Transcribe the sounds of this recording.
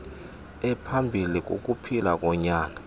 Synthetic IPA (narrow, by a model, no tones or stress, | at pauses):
ɛpʰambʱilik̬ʼo̰k̬ʼupʰilak̬ʼɔɲaːna